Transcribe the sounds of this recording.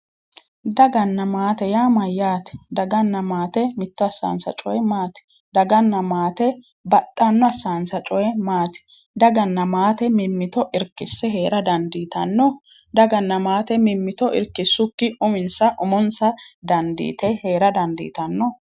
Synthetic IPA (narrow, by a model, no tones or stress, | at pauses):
d̪ɐɡɐnːɐmaːt̪ɛjaːmɐjːaːt̪ɪ̥d̪ɐɡɐnːɐmaːt̪ɛmɪt̪ːɔɐsːa̰ːnsɐ̰t͡ʃʼɔjɛmaːt̪ɪ̥ | d̪ɐɡɐnːɐmaːt̪ɛ | bɐt̪ʼːɐnːɔɐsːaːnsɐt͡ʃʼɔjɛmaːt̪ɪ̥ | d̪ɐɡɐnːɐmaːt̪ɛmɪmːɪt̪ɔʔɪɾkːɪsːɛɦe̞ːɾɐd̪ɐnd̪iːt̪ɐnːɔ | d̪ɐɡɐnːɐmaːt̪ɛmɪmːɪt̪ɔʔɪ̰ɾkːɪsːʊkːɪʊmɪnsɐʔʊmɔnsɐd̪ɐnd̪ḭːt̪ɛheːɾɐd̪ɐnd̪ḭːt̪ɐnːɔ